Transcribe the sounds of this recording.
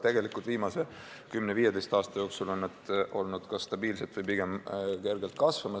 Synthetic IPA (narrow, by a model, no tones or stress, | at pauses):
t̪e̞ɡ̥e̞likult̪viːmɑse̞ | kymneviːje̞d̪e̞jst̪ɑːst̪ɑjo̞ːksulo̞nːɑd̪̥ʔo̞lnud̪̥kɑst̪ɑbiːlset̪vɯjpiɡ̥e̞mke̞rɡ̥elt̪̚kɑsvɑmɑ